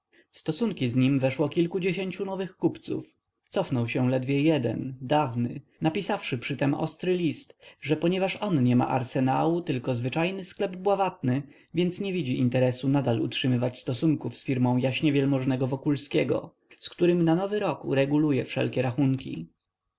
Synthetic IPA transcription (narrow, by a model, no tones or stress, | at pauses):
fst̪ɔsuŋkʲizɲimvɛʂwɔkʲilkud͡ʑeɕeɲt͡ɕunɔvɘxkupt̪sṵf | t̪sɔfnɔwɕɛlɛd̪vʲjɛjɛd̪ɛ̰nd̪avnɘ̰ | napʲisafʂɘpʂɘt̪ɛmɔ̰st̪ɾɘlʲist̪ʐɛpɔɲɛvaʂɔnɲɛma̰ʔa̰ɾsɛnawut̪ɘlkɔzvɘt͡ʂajnɘsklɛbbwavat̪̚nɘ | vʲjɛnt̪sɲɛvʲid͡ʑiʔḭnt̪ɛɾɛsunad̪alṵtʂɘmɘvat͡ɕst̪ɔsuŋkufsfʲiɾmɔ̃w̃jaɕɲɛvʲjɛlmɔʐnɛɡɔvɔkulskʲɛɡɔ̰ | skt̪uɾɘmnanɔvɘɾɔkṵɾɛɡulujɛfʂɛ̰lkʲɛɾaxuŋkʲḭ